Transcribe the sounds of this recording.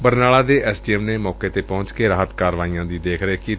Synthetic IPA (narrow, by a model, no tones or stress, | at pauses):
bəɾnaːlaːd̪eːʔɛːsɖiːɛmneːmɔːkeːt̪eːpɔ̃ʊɲt͡ʃkeːɾaːɦət̪kaːɾʋaːiːãːd̪iːd̪eːkʰɾəeːki